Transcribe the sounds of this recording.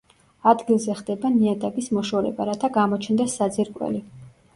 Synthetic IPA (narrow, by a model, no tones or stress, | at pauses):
ad̪ɡilˠzɛχd̪ɛbaniad̪aɡismɔʃɔɾɛ̰baɾat̪ʰaɡamɔt͡ʃʰnd̪asad̪ziɾkʼwɛ̰li